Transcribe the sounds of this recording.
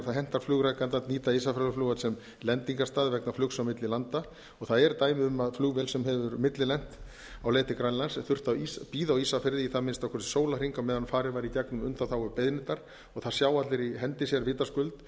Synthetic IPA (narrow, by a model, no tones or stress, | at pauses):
ɾθaðɦɛn̥t̪aɾ̥flʏːɣɾajkant̪aniːt̪aisafɾœlʏflʏːɣasɛm | lɛnt̪iŋkast̪aːðvɛknaflʏksawmɪt̪lɪlant̪a | ɔɣθaðɛɾt̪aːjmɪʏmːaðflʏɣvɛlsɛmhɛvʏɾmɪt̪lɪlɛn̥t̪ | awleːjt̪ɪkɾanlansθʏr̥t̪awispiːðawiːsafɪɾðɪiθaðmɪnst̪awkʰvɔsɪ̥soːwlar̥iŋkamɛðhanfaːɾɪvaːɾit̪jaknʏmʏnt̪awθawʏpeðnɪt̪aɾ̥ | ɔɣθḁsjaːwat̪lɪɾiɦɛnt̪ɪsjɛɾvɪːt̪askʏlt̪